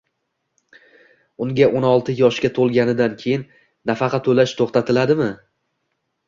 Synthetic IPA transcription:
ʊŋɡʲaʔonɒlˠt̪ʰɪjɒʃkʲat̪ʰolˠɡʲanɪd̪ankʲʰe̞jɪnː | afɑqʰɑt̪ʰːolaʃt̪ʰoχt̪at̪ʰɪlad̪ɪmɪ

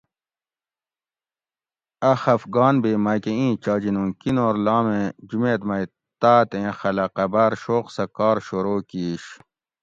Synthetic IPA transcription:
ɐxɐfɡɑːnbeːmɐkeĩːt͡ɕɑːd͡ʑinũkinoːɾlɑːmẽd͡ʑumeːt̪mɐi | t̪aːt̪ẽxɐlɐqɐbaːɾɕoːqsɐkɑːɾɕoɾoːkiːɕ

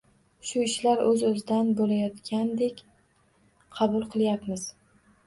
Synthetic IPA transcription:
ʃʊɪʃlaɾɵzɵzɪd̪anbolajɒt̪kʲʰand̪ekʲ | qʰɑbʊlˠqʰɨlˠjapmɪz̥

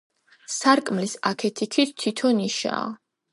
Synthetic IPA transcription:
saɾkʼmlisakʰɛt̪ʰit̪ʰit̪t̪ʰːit̪ʰɔniʃa̰ː

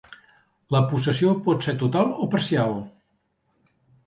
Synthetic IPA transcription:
ləpusəsiopɔt̪seɾt̪ut̪alˠopəɾsialˠ

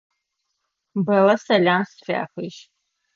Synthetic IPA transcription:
bɐlɐsɐlaːnsfa̰ːxʷiʃ

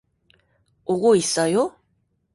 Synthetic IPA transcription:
oɡoisajo

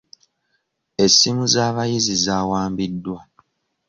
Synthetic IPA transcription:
e̞sːimuzaːβajizizaːwaːmbidːwa

